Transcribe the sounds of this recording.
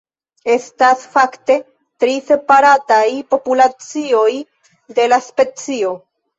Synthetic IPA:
e̞stasfakte̞ | tɾise̞paɾatajpo̞pulat͡sio̞j | de̞laspe̞t͡sio̞

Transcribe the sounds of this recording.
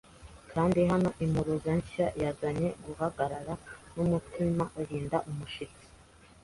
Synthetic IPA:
kʰaːndiɦano̞ʔimuɾuzaɲʃajazaɲe̞ɡuɦaɡaɾaɾanumutimaʔuɾiːndaʔumuʃit͡si̥

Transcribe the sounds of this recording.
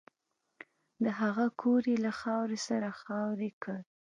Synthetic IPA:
d̪əɦaɣakʰoɾelaxɑwɾesaɾaxɑwɾekəɾ

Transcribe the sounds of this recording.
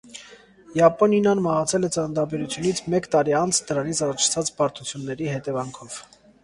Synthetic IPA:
jɑpɔninɑnmɑʁɑt͡sʰɛlɛt͡sɑnəd̪ɑbɛɾut͡sʰjunit͡sʰmɛkt̪ɑɾiɑnt͡sʰd̪əɾɑnit͡sʰɑrɔt͡ʃʰt͡sʰɑt͡spɑɾt̪ʰut͡sʰjunːɛɾihɛt̪ɛvɑŋkʰɔv̥

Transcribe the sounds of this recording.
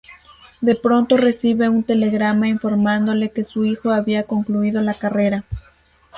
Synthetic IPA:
d̪e̞pɾo̞nt̪o̞re̞siβe̞unt̪e̞le̞ɣɾamaiɱfo̞ɾmãnd̪o̞le̞ke̞suixo̞aβiako̞ŋkluið̞o̞lakare̞ɾa

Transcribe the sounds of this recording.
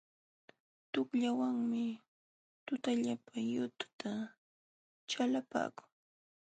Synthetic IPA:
t̪ʊkʎawaŋmɪ | t̪ʊt̪aʎapʰajʊt̪ʊ̥t̪a | t͡ʃalapa̰ːkʊ̥ŋ

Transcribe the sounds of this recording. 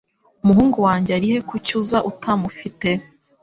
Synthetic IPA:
umuɦuːŋɡuwaːɲɟeaɾihe̞kucuzaʔutʰamufite̞

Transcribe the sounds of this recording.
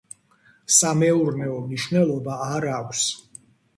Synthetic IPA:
samɛuɾnɛɔmniʃwnɛlˠɔbaːɾakʷs

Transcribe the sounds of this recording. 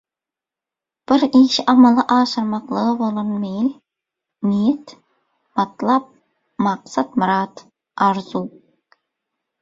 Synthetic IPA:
b̥ɪɾiʃɪʔɑmɑlˠɑʔɑːʃəɾmɑqlˠəʁəbolˠɨɾnmejl | nijɛt̪ | mɑt̪lˠɑp̚ | mɑqsɑt̪mɨɾɑt̪ | ɑɾzu

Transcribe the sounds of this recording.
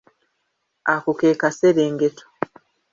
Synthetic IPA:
akukeːkaseɾeːŋɡetʰo̥

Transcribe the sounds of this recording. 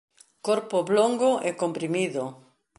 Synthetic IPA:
koɾpʊbloŋɡʊʔɛkompɾimiðʊ

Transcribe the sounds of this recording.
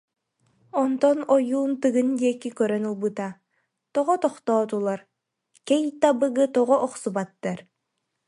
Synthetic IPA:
ɔnt̪ɔnɔjuːnt̪ɯɡɯnd̪iɛkikœɾœnɯlˠbɯt̪a | t̪ɔʁɔt̪ɔχt̪ɔːt̪ulˠaɾ | kɛjt̪abɯɡɯt̪ɔʁɔʔɔχsubat̪ːaɾ

